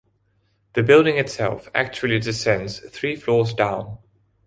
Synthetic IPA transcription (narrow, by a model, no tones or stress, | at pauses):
ðəbɪlˠdɪ̃ŋɨtsɛ̰lˠfæ̰k̚t͡ʃuəlˠidɪsɛ̃ndz̥θɹiːflɔːzdãʊ̃n